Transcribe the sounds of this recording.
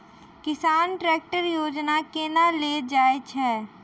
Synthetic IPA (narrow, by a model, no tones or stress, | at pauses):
kɪsaːnʈɾɛːk̚ʈəɾjoːd͡ʒnakenaleːd͡ʒaːet͡ʃʰɛː